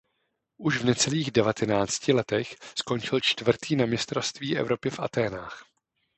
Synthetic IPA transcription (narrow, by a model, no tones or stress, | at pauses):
ʔuʃvnɛt͡sɛliːɣdɛvat̪ʰɛnaːt͡scɪlɛt̪ɛxsko̞nt͡ʃɪlt͡ʃt̪vr̩t̪iːnamɲɪst̪ɾofst̪viːʔɛ̰vɾo̞pɪfʔat̪ɛːnaːx